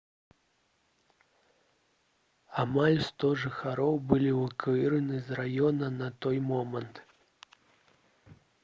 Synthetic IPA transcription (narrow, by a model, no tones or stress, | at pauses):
amalʲst̪ɔʐɨxaɾɔwbɨlʲivɨkɨɾɨnɨzrajɔnɐnɐt̪ɔjmɔmɐnt̪